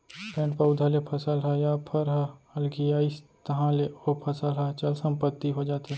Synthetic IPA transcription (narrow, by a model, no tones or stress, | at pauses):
pɛ̃ːɳʈpəʊd̪ʱalepʰɐsəlɦajaːpʰɐɾɦaɐlɡijaːist̪ɐɦãleopʰɐsəlɦat͡ʃɐlsə̃mpət̪ːiɦod͡ʒaːt̪ẽ